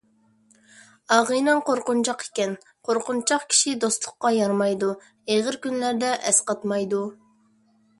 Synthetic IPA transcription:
ɑʁɨjnɨŋqʰoɾqʊnt͡ʃʰɑqe̥kʲɛn | qʰoɾqʊnt͡ʃʰɑqkʲʰi̥ʃid̪ost̪lˠʊqːɑjɑɾmɑjd̪u | eʁəɾkʲynlæɾd̪ɛʔɛsqɑt̪mɑjd̪u

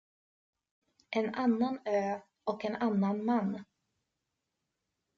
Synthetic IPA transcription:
ʔɛnanːanøː | ɔkɛnanːanmanː

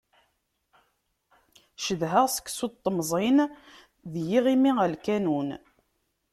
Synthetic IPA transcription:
ʃəðɦəʁsə̥kːsut̪ˤːmzˤin | ðjiʁimiəlkænun

